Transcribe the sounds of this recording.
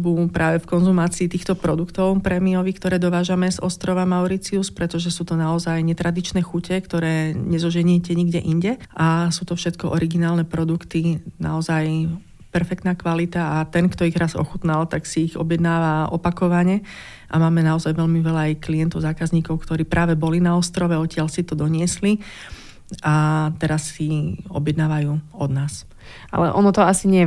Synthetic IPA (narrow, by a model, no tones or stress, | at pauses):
bupɾaːʋɛfkɔnzumaːt͡siːt̪iːxt̪ɔpɾɔd̪ukt̪ɔʊpɾɛmiɔʋikt̪ɔɾɛːd̪ɔʋaːʒamɛzɔst̪ɾɔʋamaʊɾit͡siuspɾɛt̪ɔʒɛsuːt̪ɔnaɔzajɲɛt̪ɾad̪it͡ʃnɛːxucɛkt̪ɔɾɛːɲɛzɔʒɛɲiɛcɛɲiɡɟɛʔiɲɟɛʔasuːt̪ɔfʃɛt̪kɔʔɔɾiɡinaːlnɛpɾɔd̪ukt̪ina̰ɔzaj | pɛɾfɛk̚t̪naːkʋalit̪aat̪ɛnkt̪ɔiɣɾazɔ̰xut̪nalt̪aksiːɣɔ̰bjɛd̪naːʋaʔɔ̰pakɔʋaɲɛ | ʔa̰maːmɛnaɔzajʋɛʎmiʋɛlaːjkliɛnt̪ɔʊzaːkazɲiːkɔʊkt̪ɔɾiːpɾaːʋɛbɔlinaɔst̪ɾɔʋɛɔtcɪalsit̪ɔd̪ɔɲɪɛsli | ʔat̪ɛɾasːiɔ̰bjɛd̪naːʋajuːɔd̪naːs | ʔa̰lɛ̰ʔɔnɔt̪ɔasiɲɪɛjɛ